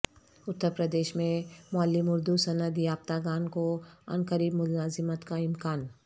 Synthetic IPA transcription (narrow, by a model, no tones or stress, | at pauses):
ʊt̪ːəɾpɾəd̪eːʃmẽmɔːlimʊɾd̪usɐnəd̪jaːp̚t̪aɡaːnkoɐ̰nkəɾiːbmʊlnaːzɪmət̪kaɪmkaːn